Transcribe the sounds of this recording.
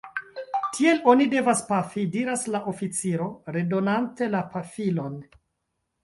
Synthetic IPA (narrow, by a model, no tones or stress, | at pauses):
tʰie̞lo̞nide̞vaspafidiɾaslaʔofit͡siɾo̞ɾe̞do̞nante̞lapafilo̞n